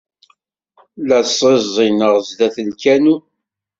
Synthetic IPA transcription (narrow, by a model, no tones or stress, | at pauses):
læsˤezˤɪnəʁzd̪æθənkænu